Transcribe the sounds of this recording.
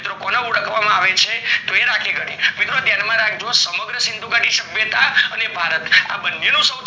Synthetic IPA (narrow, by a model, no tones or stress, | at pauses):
t̪ɾokonauɽəkʋamãaʋet͡ʃʰet̪oeɾakʰeɡəɽemit̪ɾot̪janmãɾakʰd͡ʒosəməɡɾəsɪnd̪ʱuɡaʈiʃəbjət̪aənebʱaɾət̪a̰bənːjenũsə